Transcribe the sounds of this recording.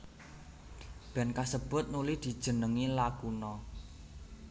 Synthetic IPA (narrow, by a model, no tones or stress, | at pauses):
b̥ɛ̤nkasəb̥ʊ̤t̪̚nulɪhd̪̥i̤d̥ʒ̥ə̤nəŋilakunɔ